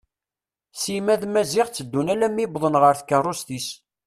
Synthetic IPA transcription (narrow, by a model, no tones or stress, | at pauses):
simæðmæziʁt͡sːəd̪ːunælæmːibðˤənʁəɾθkːərˤːost̪is